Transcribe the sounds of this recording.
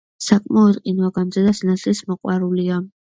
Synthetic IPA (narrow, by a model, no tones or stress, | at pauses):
sakʼmaɔd̪qʼinwaɡamzɛd̪asnat̪sʰʼlismɔqʼwaɾulia